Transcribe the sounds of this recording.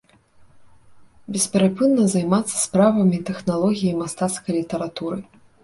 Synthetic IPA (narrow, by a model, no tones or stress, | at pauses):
bʲɛspʲɛɾapɨnːɐzajmat̪sːɐ̥spɾavɐmʲit̪ɛxnalˠɔɣʲijimast̪at̪skɐjlʲit̪ɐɾat̪uɾɨ